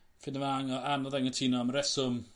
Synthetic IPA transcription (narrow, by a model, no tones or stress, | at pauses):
fɪndəvaŋɔanɔðɛŋətʰiːnɔməɾɛsʊm